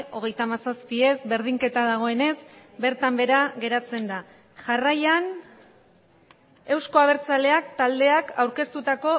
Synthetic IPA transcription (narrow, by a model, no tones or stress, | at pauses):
o̞ɣ̞e̞jt̪amasaspie̞zbe̞ɾð̞iŋke̞t̪aðaɣ̞o̞e̞ne̞sbe̞ɾt̪ambe̞ɾaɣe̞ɾat͡se̞nd̪a | ʝarajan | e̞wsko̞aβ̞e̞ɾt͡sale̞ak̚t̪ald̪e̞akʰawɾke̞st̪ut̪ako̞